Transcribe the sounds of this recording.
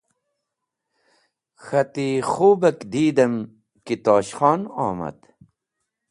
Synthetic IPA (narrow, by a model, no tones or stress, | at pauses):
xɐt̪ixuːbɐkd̪iːd̪ɐm | kit̪ɑːɕxɑːnɑ̰ːmɐ̰d̪